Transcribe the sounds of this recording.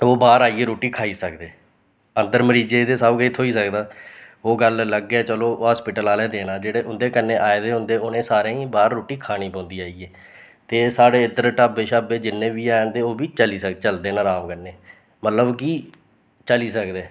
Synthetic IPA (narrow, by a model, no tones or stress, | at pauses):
oːbaːɾaːiːeːɾoːʈiːkʰaːiːsəkd̪eː | ənd̪əɾməɾiːd͡ʒeːd̪eːsəbkɪt̪ʰːoːiːsəkd̪aːoːɡəllːəɡɛːt͡ʃəloːɦaːspɪʈəlaːlɛːd̪eːnãːd͡ʒeːɽeːʔʊnd̪eːkənːẽːʔaːeːd̪eːɦʊ̃nd̪eːʊnẽːsaːɾẽːĩːbaːɾːoːʈiːkʰaːniːpɔ̃ːnd̪iːaːiːeː | t̪eːsaːɽeːɪd̪əɾʈaːbeːʃaːbeːd͡ʒɪnːẽːbiːaːnd̪eːoːbiːt͡ʃəliːsət͡ʃəld̪eːnãːɾaːmkənːeː | mət̪ləbkiː | t͡ʃəliːsəkd̪eː